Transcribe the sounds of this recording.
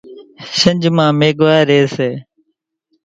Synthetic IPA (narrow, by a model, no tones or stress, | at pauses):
ʃəɲd͡ʒmãːmeːɠʋaːɾeːseː